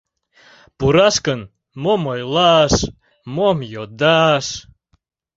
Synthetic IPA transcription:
puɾaskən | momojlˠɑʃ | momjod̪aʃ

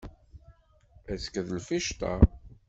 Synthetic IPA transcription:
æskðlfiʃt̪a̰

